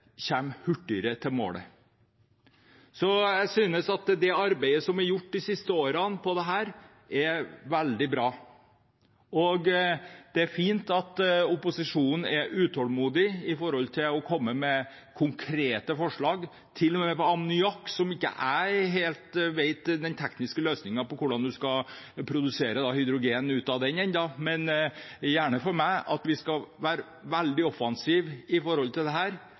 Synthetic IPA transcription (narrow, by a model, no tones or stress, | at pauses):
çɛmhʉʈːʏɾət̪ʰɪlmo̰ːlə̰ | sɔjæɪsyːnəsɑt̪d̪ɛɑɾbæɪəsɔmæɾjʊʈːd̪ɪsɪst̪əoːɾɑnpʰɔd̪ɛɦæːɾ | ɛʋæld̪ɪbɾɑː | ɔɡd̪̥ɛæɾfiːnt̪ɑt̪ʊpʊsɪʂuːnn̩ɛɾʔʉːt̪ʰɔlmuːd̪ɪɪfɔɾhɔlt̪ʰɪlɔkʰɔmːəmɛ | kʰʊŋkʰɾeːt̪əfɔʂɭɑːɡ | t̪ʰɪlːɔmɛːɛpɔɑmnʏɑkːsɔmɪkːə̰ʔæɪɦeːlt̪ʋeɪt̪d̪ɛnt̪ʰɛknɪskəløːsnɪŋɑpɔkʰʊɖɑnd̪ʉskɑpʰɾʊd̪ʉseːɾəd̪ɑhʏd̪ɾʊɡeːnn̩ʉːt̪ɑd̪ɛnɛnd̪ɑmɛnjæːɳəfɔɾmæɪʔɑt̪ʋɪskɑʋæːɾə | ʋæld̪ɪɔfɑnsiːʋɪfɔɾhɔlt̪ʰɪld̪ɛɦæːɾ